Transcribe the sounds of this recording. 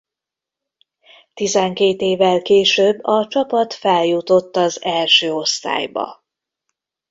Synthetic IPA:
t̪izɛŋkeːt̪eːvɛlkeːʃøːbːɒt͡ʃɒpɒt̪fɛljut̪o̞t̪ːɒzɛlʃøːo̞st̪a̰ːjbɒ̰

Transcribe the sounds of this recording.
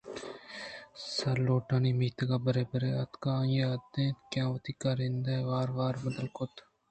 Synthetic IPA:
sɐɾloːʈaːniːmiːt̪ɐɡaːbɐɾeːbɐɾeːɐt̪kãːjed̪ẽːt̪kjãːʋɐt̪iːkaːɾɪ̃nd̪aʋaːɾʋaːɾmɐd̪əlkʊt̪

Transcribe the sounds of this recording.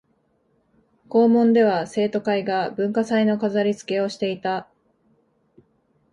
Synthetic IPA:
ko̞ːmõ̞nd̪e̞βase̞ːt̪o̞kaiɡabɯ̟̃ŋkasaino̞kazaɾʲit͡sɨ̥ke̞o̞ɕi̥t̪e̞it̪a

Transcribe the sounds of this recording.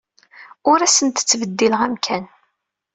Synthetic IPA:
ʊɾæsənt̪ə̥t͡sːvəd̪ːiləʁæmkʰæn

